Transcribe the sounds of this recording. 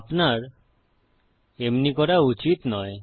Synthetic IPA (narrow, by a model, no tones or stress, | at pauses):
apnaɾ | emnikɔɾaut͡ʃit̪nɔe